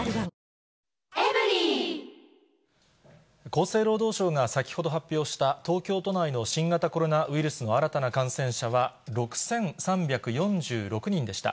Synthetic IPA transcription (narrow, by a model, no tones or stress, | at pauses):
eɾi | ko̞ːse̞ːɾo̞ːd̪o̞ːɕo̞ːŋasakʲi̥ho̞d̪o̞ɦapʲːjo̞ːɕi̥t̪at̪o̞ːkʲo̞ːt̪o̞naino̞ɕĩŋɡat̪ako̞ɾo̞naɯ̟iɾɯ̟sɨno̞aɾat̪anakãɰ̃sẽ̞ɰ̃ɕaβa | ɾo̞kɯ̟̥sẽ̞ɰsãmbʲakɯ̟jõ̞ɲd͡ʑɨːɾo̞kɯ̟ɲ̟ĩnd̪e̞ɕi̥t̪a̰